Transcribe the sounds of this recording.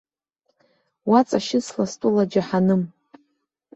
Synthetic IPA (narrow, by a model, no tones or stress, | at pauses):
wat͡sʼaʃɪt͡sʰlastʷʼulad͡ʒaħanɨm